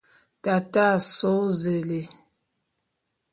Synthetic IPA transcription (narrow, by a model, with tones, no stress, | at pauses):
ta˨ta˦˨so˦ze˨le˨